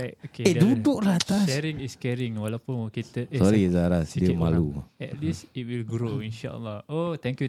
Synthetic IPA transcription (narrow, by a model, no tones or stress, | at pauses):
aokeedudʊʔɾat̪asɛɾiŋiskɛɾiŋwalawpunwɔkit̪əsɔɾizaɾasdiəmaluɛtlisit̚wilɡɾoinʃa̰ʔə̰lahot̪ɛ̃ŋkju